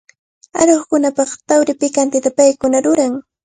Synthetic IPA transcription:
a̰ɾoχkʊnapɑχt̪awɾɪpɪkant̪ɪt̪apajkʊnaɾʊɾaŋ

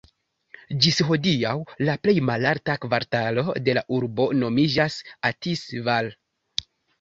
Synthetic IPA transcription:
d͡ʒisɦo̞diawlaple̞jmalaɾtakvaɾtalo̞de̞laʔuɾbo̞no̞mid͡ʒasatisval

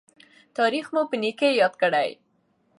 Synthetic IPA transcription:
t̪ɑɾixmupənikejɑd̪kəɽa̰j

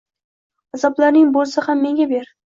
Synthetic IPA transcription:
azɒblaɾnɪŋbolˠsahamːe̞ŋɡʲabe̞ɾ

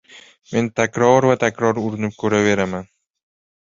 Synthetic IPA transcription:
me̞nt̪ʰakʲɾɒɾvat̪ʰakʲʰɾɒɾʊɾɪnɪp̚kʲʰɵɾave̞ɾaman

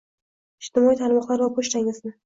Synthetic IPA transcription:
ɪʃt̪ɪmɒiːt̪ʰaɾmɒqlˠaɾvapʰoʃt̪aŋɪznɪ

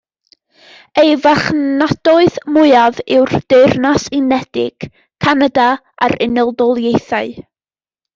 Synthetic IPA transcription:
ejvaχnad̥ɔɨðmʊɨavɪwrd̥eɨrnasɪnɛd̥ɪɡ̥ | kʰːanada | aɾɪnəlˠdɔlˠjejθaɨ

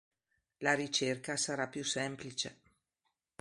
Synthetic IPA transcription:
laɾit͡ʃerkasaɾapːjusɛmplit͡ʃe

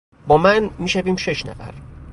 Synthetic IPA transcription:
bɒːmænmiːʃæviːmʃe̞ʃnæ̰fæ̰ɾ

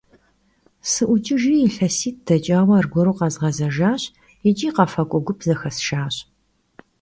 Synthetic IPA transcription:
sɨʔʷʊt͡ʃʼɪʒiːjːɬɐsiːt̚ʰd̥ɐt͡ʃʼaːwɐrɡʷɔɾuːqɑzʁɐzɐʒaːɕ | ɪt͡ʃʼiːqɑfɐkʷʼɔɡʷʊpʰzɐxɐsʃaːɕ

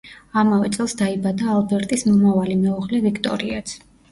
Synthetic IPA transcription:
amavɛt̪sʼɛlˠsd̪aibad̪aːlˠbɛɾt̪ʼismɔmavalimɛɔʁlɛvikʰt̪ʼɔ̰ɾiat̪sʰ

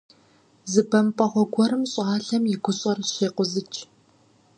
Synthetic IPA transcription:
zɨbɐmpʼɐʁʷɔɡʷɔɾɨmɕʼɑːɬɐmjɪɡʷʊɕʼɐrɕeːqʷʊzɨt͡ʃʰʼ

